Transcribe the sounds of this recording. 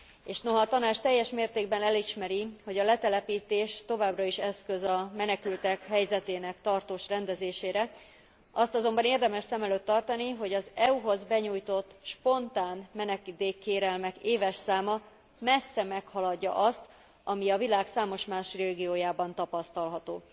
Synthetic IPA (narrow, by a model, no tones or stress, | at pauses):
eːʃno̞ɦɒːt̪ɒnaːt͡ʃt̪ɛjːɛʃmeːrt̪eːɡ̚bɛnɛliʃmɛɾiho̞ɟɒlɛt̪ɛlɛpiːt̪eːʃt̪o̞vaːbrɒiʃɛskøzɒmɛnɛkylt̪ɛkɦɛjzɛt̪eːnɛkt̪ɒrt̪oːʃrɛnd̪ɛzeːʃeːɾɛ | ʔɒst̪ɒzo̞mbɒneːrd̪ɛmɛʃsɛmɛløːt̪ːɒrt̪ɒniɦo̞ɟɒzɛuɦo̞zbɛɲuːjt̪o̞t̪ːʃpo̞nt̪aːnmɛnɛkid̪eːkːeːɾɛlmɛkeːvɛʃsaːmɒ | mɛsːɛmɛkhɒlɒɟːɒ̰ʔɒst̪ | ʔɒmiɒvilaːksaːmo̞ʃmaːʃreːɡijoːjaːbɒnt̪ɒpɒst̪ɒlɦɒt̪oː